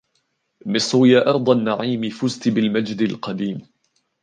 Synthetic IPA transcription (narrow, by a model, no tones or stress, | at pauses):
mɪsˤɾʊjaːʔɑɾˤd̪ˤɑnːaʕiːmɪfʊzt̪bɪlmad͡ʒd̪ɪlqɑd̪iːm